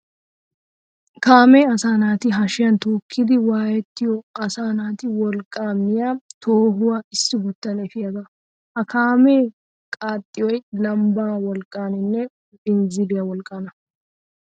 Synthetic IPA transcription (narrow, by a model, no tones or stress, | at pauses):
kaːmeːɐsaːnaːt̪ɪɦɐʃɪjɐnt̪oːkʰːɪd̪ɪwaːjɛt̪ːɪjɔɐsaːnaːt̪ɪwɔlkʼːaːmːɪjat̪ʰoːɦʊwaɪsːɪbʊt̪ːɐnɛfɪjɐɡ̪ɐ | hɐkʰaːme̞ː | kʼaːt̪ʼːɪjɔjlɐmbaːwɔlkʼːaːnɪnːɛ | bɪnzɪlɪjɐwɔlkʼːɐnɐ